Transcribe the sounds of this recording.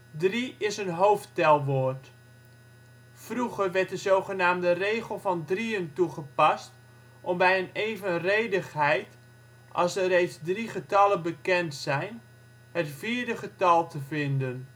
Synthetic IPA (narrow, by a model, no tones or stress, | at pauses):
driɪsənɦowftɛlˠʋoːrt | fruχərʋɛɹt̚dəzowχənaːmdərejχəlˠvɑndriəntuχəpɑst | ʔɔmbɛjəneːvənrejdəχɦɛjt | ʔɑlˠsərejtsdriχətɑlənbəkɛntsɛjn | hətfiːɹdəχətɑlˠtəvɪndən